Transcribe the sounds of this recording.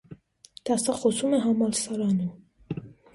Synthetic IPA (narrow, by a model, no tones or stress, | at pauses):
d̪̥ɑsɑχɔsumɛɦɑmɑlsɑɾɑnu